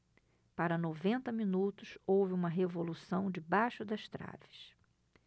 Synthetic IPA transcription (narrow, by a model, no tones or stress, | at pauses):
paɾɐnovẽnt̪ɐminut̪ʊsowvɪũmɐɦevolusɐ̃w̃d͡ʒɪbajʃʊd̪ɐʃt̪ɾa̰vɪ̥s